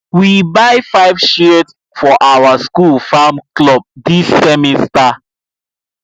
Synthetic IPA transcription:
wibaɪfaɪvʃet | fɔʔawaskulfamklɔb̚disːɛmista

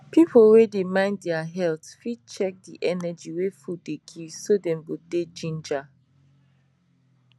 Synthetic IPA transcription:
pipʰowedemãɪ̃nddɛaɦɛltfid̚t͡ʃɛk̚diʔɛnɛd͡ʒiwefudeɡivsodɛ̃mboded͡ʒĩnd͡ʒa

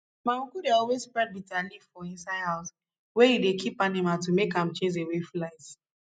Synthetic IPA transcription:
maukudeɔlwezpɹɛd̚bitalifɔĩnsaɪdhaʊs | wɛjidekʰipanimaltumekãmt͡ʃẽs̬eweflaɪs

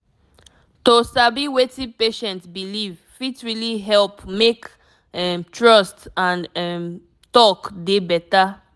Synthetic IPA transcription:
tosabiwetĩpeʃɛ̃ntsbiliv | fitɹiliɦɛlpmek | ɛmtɹɔstãnɛm | tɔkdebɛta

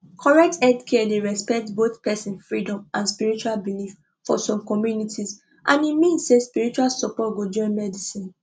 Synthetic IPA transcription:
kʰɔɹɛk̚tɛdkʰɛdeɹɛspɛk̚tboθpɛsĩnfɹidɔ̃mʔãnspiɹit͡ʃualbilif | fɔsɔ̃mkɔmjunitʰiz | ʔãnimĩnsːespiɹit͡ʃualsɔpɔtɡod͡ʒɔ̃nmɛdisĩn

